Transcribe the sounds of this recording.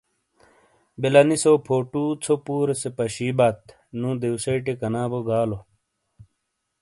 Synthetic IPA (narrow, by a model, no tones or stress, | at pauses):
belɐnisopʰoːʈuːt͡sʰopuːɾesepɐɕiːbɐt̪̚ | nũːd̪ewseʈekɐnaːboɡaːlo